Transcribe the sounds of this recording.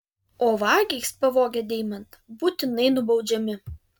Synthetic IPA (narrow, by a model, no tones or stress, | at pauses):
oːʋɑːɡʲɛɪspɐʋoːɡʲɛd̪ʲɛːɪmɐnt̪buːt̪ʲɪnɐɪnʊbɒʊd͡ʒʲɛmʲɪ